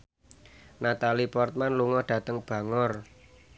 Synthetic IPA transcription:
nat̪alipɔrt̪̚manluŋɔhɖ̥ä̤t̪əŋb̥ä̤ŋɔr

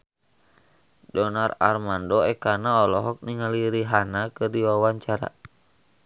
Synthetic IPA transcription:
dɔnara̰rmandɔɛkanaɔlɔɦɔk̚niŋaliɾiɦanakɨrdiwawaɲt͡ʃaɾa̰

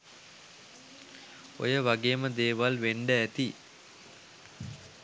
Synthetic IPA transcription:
o̰jəʋaɡeːməd̪eːʋalʋeɳɖəæt̪i

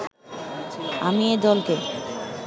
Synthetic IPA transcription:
a̰mied̪ɔlke

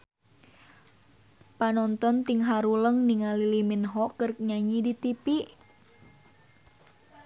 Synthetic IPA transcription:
panɔnt̪ɔnt̪iŋɦaɾuləŋniŋaliliminɦɔkərk̚ɲaɲidit̪ipiʔ

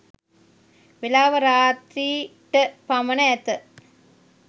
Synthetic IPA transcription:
ʋelaːʋɐɾaːt̪ɾiːʈəpɐmɐnɐɛt̪ə

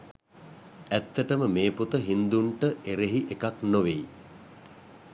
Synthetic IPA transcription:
æt̪ːəʈəməmeːput̪əɦind̪uɳʈəʔeɾeɦiʔekaknoʋej

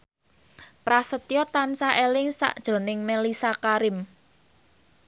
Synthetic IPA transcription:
pɾasət̪ijɔt̪ansaʔelɪŋsa̰ʔd̥ʒ̥o̤nɪŋmelisakaɾɪm

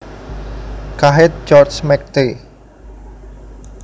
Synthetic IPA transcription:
kaɦɪt̪̚d͡ʒɔrt͡ʃmɛk̚t̪e

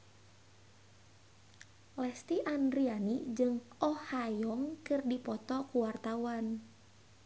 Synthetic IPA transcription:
lɛst̪iʔandɾianid͡ʒɨŋɔhajɔŋkɨrdipɔt̪ɔkuwart̪auwan

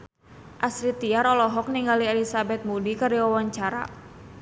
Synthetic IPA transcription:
ʔaslit̪iaɾɔlɔɦɔk̚niŋɡaliɛlisabɛt̪̚mudikaɾiɔwɔɲt͡ʃaɾa̰

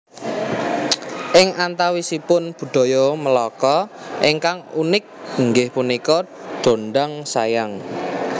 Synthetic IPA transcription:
ʔɪŋʔant̪awisipʊnb̥ṳɖ̪̥o̤jɔməlɔkɔʔiŋkaŋunɪk̚ŋɡɪhpunikɔɖ̥o̤nɖaŋsa̰jaŋ

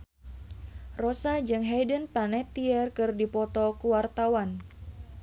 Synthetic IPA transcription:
rɔsad͡ʒɨŋɦɛjdənpanɛt̪iɛrkɨrdipɔt̪ɔkuwart̪awan

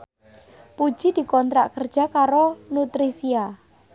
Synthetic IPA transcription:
pu̥d͡ʒ̥id̪̥i̤kɔnt̪ɾaʔkərd̥ʒ̥a̤kaɾonut̪ɾisia

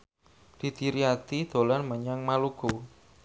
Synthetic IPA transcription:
d̪̥i̤t̪iɾiat̪id̪̥o̤lanməɲaŋmaluɡ̥o

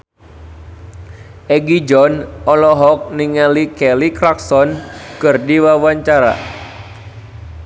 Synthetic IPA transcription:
ʔɛɡid͡ʒɔnɔlɔɦɔk̚niŋalikɛlikɾaksɔnkɨrdiwawaɲt͡ʃaɾa̰

